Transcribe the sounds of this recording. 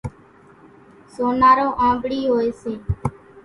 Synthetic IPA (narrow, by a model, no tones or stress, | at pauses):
soːnaːɾoːʔãːɡɽiːɦoːeːseː